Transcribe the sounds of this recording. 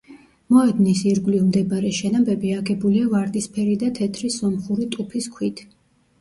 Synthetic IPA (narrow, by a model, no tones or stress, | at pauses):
mɔɛd̪nisiɾɡwlivmd̪ɛbaɾɛʃɛnambɛbiaɡɛbuliavaɾd̪ispʰɛɾid̪at̪ʰɛt̪ʰɾisːɔmχuɾit̪ʼupʰiskʰwit̪ʰ